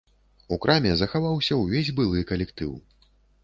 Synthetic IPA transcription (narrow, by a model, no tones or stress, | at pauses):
ukɾʔamʲɛzɐxavawsʲɐwvʲezʲbɨlˠɨkɐlʲɛkt̪ɨw